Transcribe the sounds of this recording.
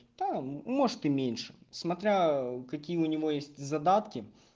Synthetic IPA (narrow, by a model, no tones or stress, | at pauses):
d̪̥amo̞ʐɨt̪ɨmʲenʲʂɨ̥smɐt̪ɾʲakɐkʲijəʊnʲɪvo̞jesʲtʲzɐd̪at̪kʲɪ